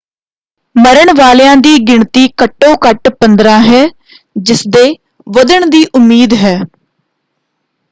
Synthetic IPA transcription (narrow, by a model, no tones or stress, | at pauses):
məɾəɳʋaːljãːd̪iːɡɪɳt̪iːkəʈːõːkəʈpənd̪ɾãːɦɛː | d͡ʒɪsd̪eː | ʋəd̪əɳd̪iːʔʊmːiːd̪ɦɛː